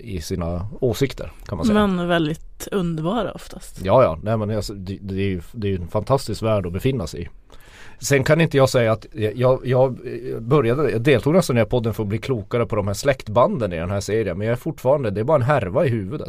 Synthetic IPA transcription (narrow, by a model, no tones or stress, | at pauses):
ɪsiːnaoːsɪkt̪ʰə̰ɾkʰanmansɛmɛnvɛld̪ɪt̪ɵnd̪əɾbɑːɾa̰ɔ̰ft̪ʰast̪jɑːjɑ̰ːnɛmɛnjɑsd̪ɛd̪ɛːɾjɵd̪ɛjɵɛnfant̪ʰast̪ɪskvæːɖɔbɛfɪnːasɛ̰j | sɛnkʰanɪnt̪əjɑːɡsɛjːaːt̪jɑːjɑːɡbœɾjad̪əjɑːd̪eːlt̪ʰuːɡnɛst̪anæːɾpʰɔd̪ːənfəɾɔbliːkʰluːkaɾəpʰɔd̪ɔmhæːʂlɛkt̪band̪ənɪd̪ɛ̰nɦæːʂeːɾɪənmɛnjɑæɾfʊʈːfɑːɾand̪əd̪ɛæɾbɑːɾaɛnɦæɾvaɪhʉ̟ːvɵd̪ə̰t̪